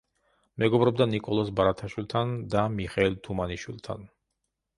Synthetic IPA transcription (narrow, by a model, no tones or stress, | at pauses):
mɛɡɔbɾɔbd̪anikʼɔlˠɔsbaɾat̪ʰaʃwilˠt̪ʰand̪amiχɛilt̪ʰumaniʃwilˠt̪ʰa̰n